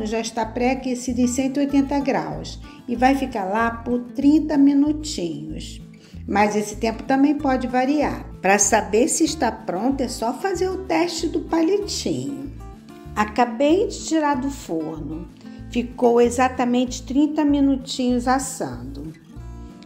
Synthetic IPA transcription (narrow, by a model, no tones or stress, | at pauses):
nʊʒaɪʃt̪apɾɛkesid̪ʊẽj̃sẽnt̪ʊiojt̪ẽnt̪ɐɡɾa̰ws | ɪvajfikaɾlapʊɾt̪ɾĩnt̪ɐmĩnut͡ʃĩɲʊs | mɐzesɪ̥t̪ẽmpʊt̪ɐ̃mbẽj̃pɔd͡ʒɪvaɾia̰ɾpɾɐsabeɾsɪːʃt̪apɾõnt̪ʊɛsɔfazeɾʊt̪ɛʃt͡ʃɪd̪ʊpalet͡ʃḭ̃ɲʊ̰ | akabejd͡ʒɪt͡ʃiɾad̪ʊfoɾnʊ | fikowezat̪ɐmẽnt͡ʃɪ̥t̪ɾĩnt̪ɐmĩnut͡ʃĩɲʊzasɐ̰̃d̪ʊ